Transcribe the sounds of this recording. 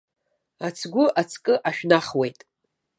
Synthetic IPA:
at͡sʰɡʷʊʔat͡sʰkʼɨʔaʃᶣnaχwe̞jtʼ

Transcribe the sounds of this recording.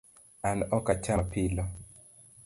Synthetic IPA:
anɔkat͡ʃapilɔ

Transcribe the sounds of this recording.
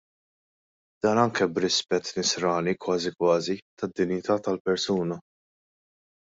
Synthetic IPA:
d̪̥ɐːnɐŋkɛbɾɪspɛt̪ːnɪsɾɐːnikwɐːzikwɐːzit̪ɐd̪ːɪnjɪt̪ɐːt̪ɐlpɛɾsuːnɐ

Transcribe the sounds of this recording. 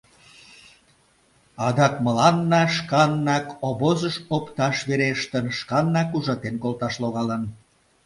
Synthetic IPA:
ɑd̪ɑkməlɑnːɑʃkɑnːɑkoβozəʃopt̪ɑʃβeɾeʃt̪ənʃkɑnːɑkuʒɑt̪enkolt̪ɑʃloɣɑlən

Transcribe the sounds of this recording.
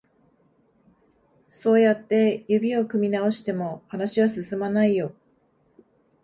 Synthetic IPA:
so̞ːjat̪ːe̞jɯbʲio̞kɯ̟mʲinao̞ɕi̥t̪e̞mo̞hanaɕiβasɨsɨmanaijo̞

